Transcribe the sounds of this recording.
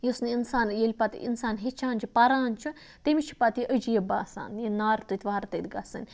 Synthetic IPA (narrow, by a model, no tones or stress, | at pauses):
jisniinsaːnjelʲpat̪ḭḭnsaːnɦet͡ʃʰaːnʲd͡ʒipɐɾaːnʲt͡ʃʰu | t̪emit͡ʃʰipat̪ʔəd͡ʒijebaːsa̰ːnjenaːɾt̪ut̪ʰʲʋaːɾt̪ɐd̪ʲɡasɨ̰nʲ